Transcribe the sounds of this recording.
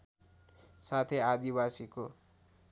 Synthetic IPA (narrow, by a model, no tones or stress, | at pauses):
sat̪ʰead̪ibasiko